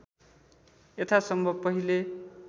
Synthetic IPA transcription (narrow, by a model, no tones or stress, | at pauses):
et̪ʰasʌmbʱʌbpʌɦile